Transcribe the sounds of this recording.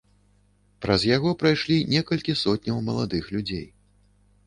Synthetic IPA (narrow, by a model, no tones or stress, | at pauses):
pɾɐzjaɣɔpɾajʂlʲinʲɛkɐlʲkʲisɔt̪ʲnʲɐwmɐlˠad̪ɨxlʲud͡zʲḛj